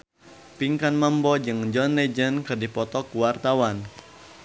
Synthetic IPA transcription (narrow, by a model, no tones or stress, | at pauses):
piŋkanmambɔd͡ʒɨŋd͡ʒɔnlɛd͡ʒənkɨrdipɔt̪ɔkuwart̪awan